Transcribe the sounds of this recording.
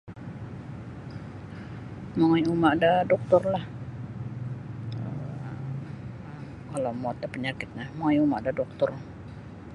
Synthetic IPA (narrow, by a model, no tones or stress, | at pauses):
maŋajumaʔdadɔk̚t̪ɔrlah | ə̰ | kalawmɔt̪̚dapəɲakɪt̪̚nahmaŋajumaʔdadɔk̚t̪ɔr